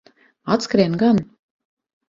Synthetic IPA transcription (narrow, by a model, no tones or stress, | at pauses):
at̪skɾɛːnɡan